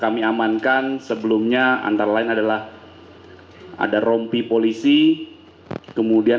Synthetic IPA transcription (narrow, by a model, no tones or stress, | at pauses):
kamiamankansəbəlumɲaa̰nt̪aɾalaɪnadalah | a̰daɾɔmpipolisi | kəmudia